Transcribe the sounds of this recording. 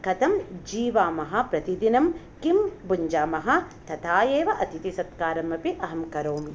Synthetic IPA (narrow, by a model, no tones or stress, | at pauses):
kɐt̪ʰɐmd͡ʒiːʋaːmɐɦɐ̆pɾɐt̪id̪inɐm | kimbuɲd͡ʒaːmɐɦɐt̪ʰɐt̪ʰaːjeːʋɐʔɐt̪it̪isɐt̪kaːɾɐmɐpiʔɐɦɐmkɐɾoːmi